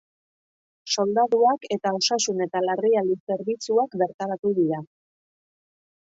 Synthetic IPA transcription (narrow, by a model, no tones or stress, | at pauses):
so̞ld̪aðuake̞t̪ao̞sasune̞t̪alariald̪ise̞ɾβit͡suakbe̞ɾt̪aɾat̪uðiɾa